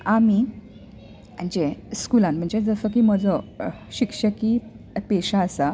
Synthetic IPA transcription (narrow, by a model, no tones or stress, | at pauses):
ami | əɳd͡ʑeskulãnm̤əɳd͡zed͡zəsəkiːm̤əd͡zɔ | ɕikʂəkiː | peɕaəsa